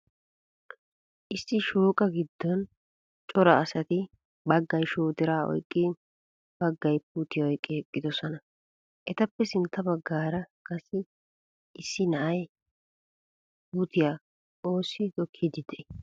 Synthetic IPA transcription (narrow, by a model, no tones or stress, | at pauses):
ʔɪsːɪʃuːkʼɐɡɪd̪ːɔn | t͡ʃʼɔɾɐːsɐt̪ɪ | bɐɡːɐjʃoːt̪ɪɾaːɔ̰jkʼːɪ | b̥ɐɡːɐjpuːt̪ɪjɐɔjkʼːɛɛkʼːɪd̪ɔsɔnɐ | ʔɛt̪ɐpːɛsɪnt̪ʰːɐbɐɡːaːɾɐkʼɐsɪ | ɪsːɪnɐʔɐj | puːt̪ɪja | o̞ːsːɪt̪ɔkʰːɪd̪ɪd̪ɛ